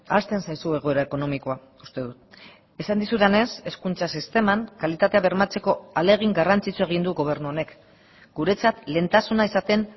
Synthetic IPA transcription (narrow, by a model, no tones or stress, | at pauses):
ast̪e̞nsajsue̞ɣ̞oe̞ɾae̞ko̞no̞miko̞a | ust̪e̞ðut̪ | e̞sand̪isuðene̞se̞skunt͡sasist̪e̞maŋkalit̪at̪e̞aβe̞ɾmat͡se̞ko̞ale̞ɣ̞iŋɡarant͡sit͡sue̞ɣ̞ind̪uɣo̞β̞e̞ɾnuone̞k | ɡ̥uɾe̞t͡sat̪le̞nt̪asunaisat̪e̞n